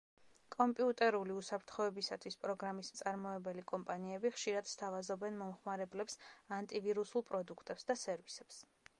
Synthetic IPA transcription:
kʼɔmpʼiut̪ʼɛɾuliusapʰɾt̪ʰχɔɛbisat̪ʰwispʼɾɔɡɾamist̪sʼaɾmɔɛbɛlikʼɔmpʼaniɛbiχʃiɾad̪̥st̪ʰavazɔbɛnmɔmχmaɾɛblɛpsant̪ʼiviɾusulˠpʼɾɔd̪ukʰt̪ʼɛpsd̪asɛɾvisɛps

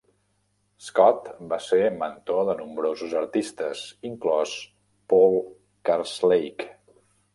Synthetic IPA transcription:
skɔt̪baseɾmənt̪oðənumbɾozuzəɾt̪ist̪əsiŋklɔs | pɔlˠ | kaɾslejk

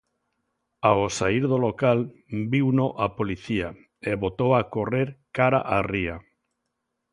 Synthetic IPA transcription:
aosaiɾðolokal | biwnoʔapoliθia | eβot̪owakoreɾkaɾaʔaria

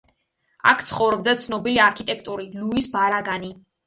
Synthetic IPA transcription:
a̰kʰt̪sʰχɔvɾɔb̚d̪at̪sʰnɔbiliaɾkʰit̪ʼɛkʰt̪ʼuɾiluisbaɾaɡani

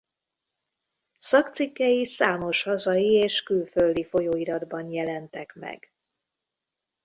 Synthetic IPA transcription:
sɒkt̪sikːɛjisaːmo̞ʃhɒzɒjieːʃkylfø̞ld̪ifo̞joːiɾɒd̪bɒnjɛlɛnt̪ɛkmɛ̰ɡ̥

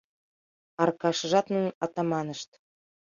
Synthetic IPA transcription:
ɑrkɑʃɤ̆ʒɑt̪nuɑt̪ɑmɑnə̆ʃt̪

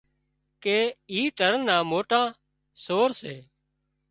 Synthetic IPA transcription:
keːiːt̪əɾnãːmoːʈãː | soːɾseː

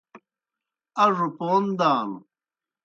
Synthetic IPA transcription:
ɐʐupoːnd̪aːn

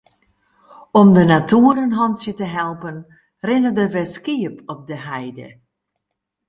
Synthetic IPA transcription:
ɔmdənatuəɾənɦɔnsjətəɦɛlˠpən | rɪnədəʋɛskiəpʰɔp̚dəɦɛjdə̰

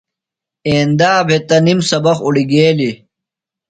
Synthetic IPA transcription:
eːnd̪aːbʱet̪ɐnimsɐbɐxuɽiɡeːli

